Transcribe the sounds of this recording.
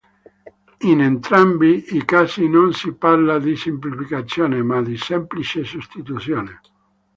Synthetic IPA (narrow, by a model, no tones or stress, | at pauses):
inent̪ɾambiikaːsinonsipaɾlad̪isimplifikat̪sːjoːnemad̪isɛmplit͡ʃesust̪it̪ut̪sjoːne